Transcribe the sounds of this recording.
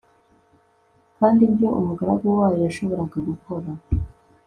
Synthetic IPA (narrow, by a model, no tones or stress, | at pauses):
kaːndimjo̞ʔṵmuɡaɾaɡowaːjojaʃo̞βo̞ɾaɡaɡuko̞ɾa